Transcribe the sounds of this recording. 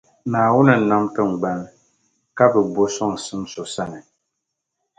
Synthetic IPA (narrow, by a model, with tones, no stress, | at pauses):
naː˨wʊ˦nɨ˨na˦mtɨ˦ŋ̩˨ɡ͡ba˦l | ka˦bɨ˨bo˦sɔ˦ŋ˨sɨ˦mso˨sa˦nɨ˨